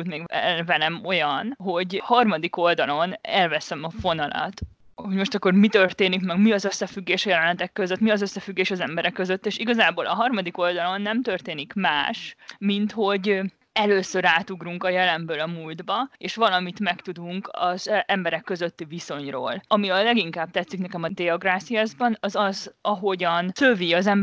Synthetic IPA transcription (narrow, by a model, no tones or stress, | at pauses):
ut̪meːɡɛ̰lvɛnɛmo̞jɒnɦo̞ɟhɒrmɒd̪iko̞ld̪ɒlo̞nɛlvɛsɛmɒfo̞nɒlɒ̰t̪ | ho̞ɟmo̞ʃt̪ɒkːo̞rmit̪ø̞rt̪eːnikmɛɡmiɒzø̞sːɛfyɡːeːʃɒjɛlɛnlːɛt̪ɛkːøzøt̪miɒzøsːɛfyɡːeːʃɒzɛmbɛɾɛkːøzøt̪ːeːʃiɡɒzaːboːlɒɦɒrmɒd̪iko̞ld̪ɒlo̞nːɛmt̪ø̞rt̪eːnikmaːʃmint̪ho̞ɟ | ɛløːsøɾaːt̪uɡruŋkɒjɛlɛmbøːlɒmuːld̪bɒeːʃʋɒlɒmit̪mɛkt̪ud̪uŋkɒzʔɛmbɛɾɛkːø̞zøt̪ːiviso̞ɲro̰ːlɒmiɒllɛɡiŋkaːb̚t̪ɛt̪sːiknɛkɛmɒd̪ɛɒɡraːfiaːzbɒnɒzɒzɒɦo̞ɟɒnsøviɒzɛm